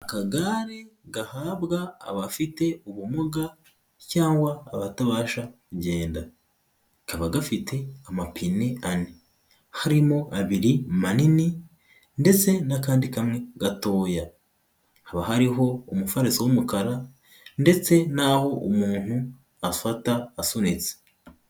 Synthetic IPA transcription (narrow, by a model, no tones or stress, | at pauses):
akaɡaɾe̞ɡahaːβɡa̰ːβafite̞uβumuɡa | caːŋɡwaːβataβaːʃakuɟe̞ːnda | kaβaɡafitʰe̞amapʰineani | haɾimo̞ʔaβiɾimanini | nde̞t͡se̞nakaːndikamŋe̞ɡ̥ato̞ːja | haβaɦaɾiɦo̞umufaɾisiwumukaɾa | nde̞t͡se̞naho̞umuːn̥hu | afataːsunit͡se̥